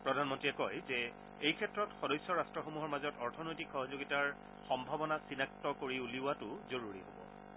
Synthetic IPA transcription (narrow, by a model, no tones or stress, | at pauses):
pɹɔdʱanmɔntɹiɛkɔjzɛ | ejkʰɛtɹɔtxɔdɔjsːɔɹastɹɔxomuɦɔɹmazɔtɔɹtʰɔnojtikxɔɦɔzoɡitaɹ | xɔmbʱabɔnasinak̚tɔkoɹiuliʊwatʊzoɹuɹḭɦo̰bɔ̰